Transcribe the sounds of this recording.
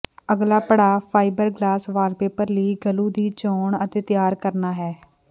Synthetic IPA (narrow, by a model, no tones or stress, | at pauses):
əɡlaːpəɽaːpʰaːɪbəɾɡlaːsʋaːlpeːpəɾliːɡəlũːd̪iːt͡ʃoːɳət̪eːt̪ɪjaːɾkəɾnaːɦɛː